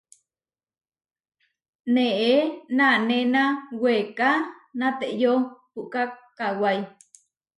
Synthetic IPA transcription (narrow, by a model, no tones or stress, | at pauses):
neʔenanenãwekanãt̪eʔjopuʔkakawaj